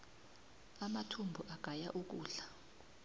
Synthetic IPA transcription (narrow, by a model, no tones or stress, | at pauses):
amatʰumbʱuʔaɡ̥ʱajaʔuk̬uːɮa